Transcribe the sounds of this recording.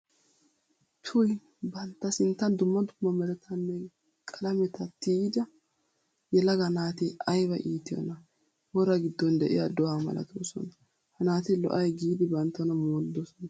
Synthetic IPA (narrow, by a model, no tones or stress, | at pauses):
t̪ʰʊj | bɐnt̪ːɐsɪnt̪ːɐnd̪ʊmːɐd̪ʊmːɐmɛɾɛt̪ʰɐnːɛ | kʼɐlɐmɛt̪ɐt̪iːd̪ɐ | jɛlɐɡɐnaːt̪ɪɐjbɐʔiːt̪ːɪjɔ̰nɐ | wɔɾɐɡɪd̪ːɔnd̪ɛʔɪ̰jɐd̪ɔaːmɐ̰lɐ̰t̪ʰosɔ̰nɐ | hɐnaːt̪ɪlɔ̰ʔɐjɡiːd̪ɪbɐnt̪ːɐnɐmoːld̪ɔsɔnɐ